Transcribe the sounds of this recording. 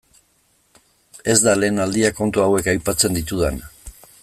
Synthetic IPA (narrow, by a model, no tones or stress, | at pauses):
e̞zd̪ale̞ːnald̪iako̞nt̪uawe̞kajpat͡se̞nd̪it̪uðen